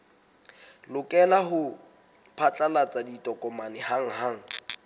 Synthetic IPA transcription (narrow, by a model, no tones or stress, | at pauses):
lʊkʼɛlahʊ | pʰat͡ɬʼalat͡sʼaditʼɔkʼɔmanɪhaŋ̩ɦaŋ̩